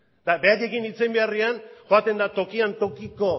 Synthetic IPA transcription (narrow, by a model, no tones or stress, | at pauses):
d̪abe̞aʎe̞kinit͡sembe̞arianʝoat̪e̞nd̪at̪o̞kiant̪o̞kiko̞